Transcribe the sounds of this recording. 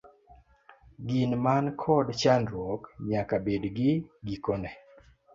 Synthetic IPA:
ɡinmankʰɔdt͡ʃandɾwɔkɲakabedɡɪɡikonɛ

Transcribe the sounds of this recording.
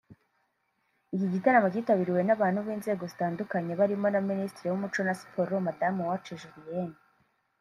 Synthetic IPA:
ikiɟitaɾamoɟiːtaβiɾiwe̞naβaːn̥huβiːnze̞ːɡo̞zitaːndukaɲe̞βaɾimo̞naministɾewumut͡ʃonasi̥pʰo̞ɾomadamuwat͡ʃeʒuvijeni

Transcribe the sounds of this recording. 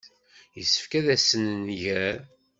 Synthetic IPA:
jəsːə̥fkæðæsənənʝæɾ

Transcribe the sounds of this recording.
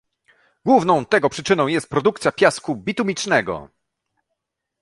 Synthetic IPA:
ɡ̥wuvnɔ̃w̃t̪ɛɡɔpʂɘt͡ʂɘnɔ̃w̃jɛst̪̚pɾɔd̪uk̚t̪sʲjapʲjaskubʲit̪umʲit͡ʂnɛɡɔ̰

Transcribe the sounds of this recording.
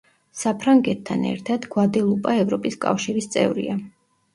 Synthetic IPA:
sapʰɾaŋɡɛt̪ʰːanɛ̰ɾt̪ʰad̪ɡwad̪ɛlˠupʼaɛvɾɔpʼiskʼa̰fʃiɾist̪sʼɛ̰vɾḭa

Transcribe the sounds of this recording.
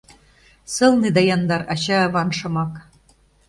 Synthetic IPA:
sɤ̆lˠnid̪ɑjɑnd̪ɑɾɑt͡ɕɑːβɑnʃɤ̆mɑk

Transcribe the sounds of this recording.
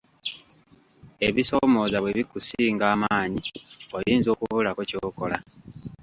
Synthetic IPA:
e̞βiso̞mo̞ːzaβweβikusiːŋɡaːmaːɲio̞jiːnzo̞ːkuβulakoco̞ːko̞la

